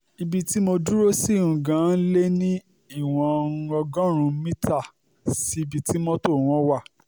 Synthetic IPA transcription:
i˧bi˧ti˦mo˧du˦ɾo˦si˦˨ɾũ˨ɡã˨˦n̩˦le˦nĩ˦ | i˦˨w̃ɔ̃˧ɔ˧ɡɔ̃˦ɾ̃ũ˧mĩ˦ta˦˨ | si˨˦i˧bi˨˧ti˦mɔ̃˦to˦˨w̃ɔ̃˦wa˦˨

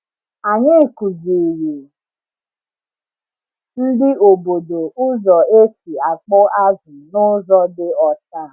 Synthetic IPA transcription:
a˨ɲɪ˦˨ku˨zi˨ɾi˨ | n̩˦dɪ˦ʔo˨bo˨do˨ʊ˦zɔ˨e˦si˨a˨k͡pʊ˦a˦zʊ˨nʊ˦zɔ˦dɪ˦ɔ˦ta˦˨

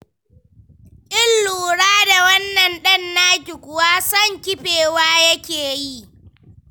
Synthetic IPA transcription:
ʔɪ˦lːuː˨ɽaː˦da˨wɐ˦nːɐ˨nɗɐ˦nːaː˦kʲɪ˨kʷʊ˨waː˦sɐ˦˨ŋkʲɪ˦ɸeː˨waː˦jɐ˦kʲeː˨ji˦

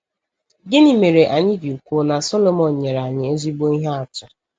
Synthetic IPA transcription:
ɡe˦ni˨me˨ɾe˨ʔa˨ɲɪ˦ɡi˨u˨kʷo˦na˨sɔ˦lo˦mɔ˨n˨ɲe˨ɾa˨ɲɪ˨e˦zi˦bo˦i˦ɦe˦a˦˨t͡ʃa˨

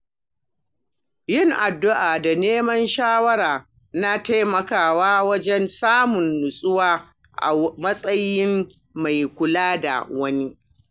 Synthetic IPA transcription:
jɪ˦ŋʔa˨dːʊ˦ʔaː˨da˨neː˦mɐ˦nʃaː˦wɐ˦ɾaː˨ | na˦ta˦jmɐ˨kaː˨waː˦wɐ˦d͡ʒɛ˦nsaː˦mʊ˨nːʊ˨sʼʊ˦waː˦ | ʔa̰˨mɐ˦sʼɐ˦jːɪ˦m | ma˨jkʷʊ˦laː˦da̰˨wɐ˦ni˦

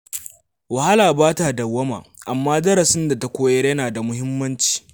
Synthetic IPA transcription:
wɐ˨ha˦laː˨baː˦ta˨dɐ˨wːɐ˦ma̰ː˨ | ʔa˨mːaː˦dɐ˦ɾɐ˨sɪ˦nda˨ta˦kʷoː˦jɐ˦rjɐ˦naː˨da˨mʊ˦ɦɪ˦mːɐ˦nt͡ʃi̥ː˨

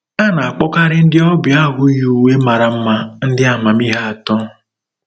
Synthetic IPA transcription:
a˦na˨a˨k͡pɔ˦ka˦ɾɪ˦n̩˦dɪ˦ɔ˦bja˦ɣʊ˦ju˨we˦ma˨ɾa˨m̩˦ma˦n̩˦dɪ˦a˨ma˨mi˦ɦa˦a˨tɔ˦

